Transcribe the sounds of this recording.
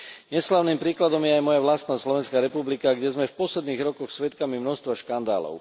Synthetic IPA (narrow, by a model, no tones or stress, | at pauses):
ɲɛslaːʊniːmpɾiːklad̪ɔmjɛajmɔjaʋlast̪naːslɔʋɛnskaːɾɛpublikaɡɟɛzmɛfpɔslɛd̪niːɣɾɔkɔxsʋɛt̪kamimnɔst̪ʋaʃkand̪a̰ːlɔ̰ʊ